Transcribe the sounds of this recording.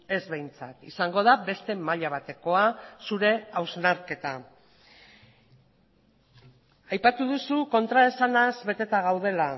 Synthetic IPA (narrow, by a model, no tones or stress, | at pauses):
e̞zβejnt͡sat̪isaŋɡo̞ðabe̞st̪e̞maʎaβ̞at̪e̞ko̞asuɾe̞awznaɾke̞t̪a | ajpat̪uðusuko̞nt̪ɾae̞sanazβe̞t̪e̞t̪aɣ̞awð̞e̞la